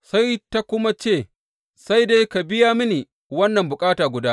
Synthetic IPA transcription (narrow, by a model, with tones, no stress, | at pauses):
sa˦jta˦kʷʊ˦ma˦t͡ʃeː˦˨ | sa˦jde˦jka˨bɪ˦jaː˦mɪ˦ni˨ | wɐ˦nːɐ˨mbʊ˨kʼaː˦taː˨ɡʷʊ˨daː˦